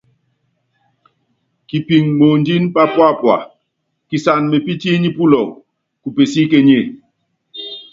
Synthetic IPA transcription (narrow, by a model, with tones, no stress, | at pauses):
ki˨pi˨ŋmo˨ndi˦npa˦pwa˦˨pwa̰˨ | ki˨sa˨nme˨pi˦ti˦ɲi˦pu˦lɔ˨w | ku˨pe˨si˦ke˦ɲe˦˨